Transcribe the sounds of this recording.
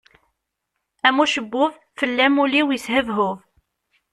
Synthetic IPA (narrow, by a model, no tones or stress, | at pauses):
æmuʃəbːʊv | fəlːæmuliwjəshəvɦʊv